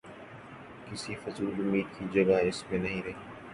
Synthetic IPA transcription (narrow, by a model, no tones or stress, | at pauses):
kɪsifɐzuːlʊmiːd̪̚kid͡ʒɐɡaɪsmẽnɐɦĩɾɛː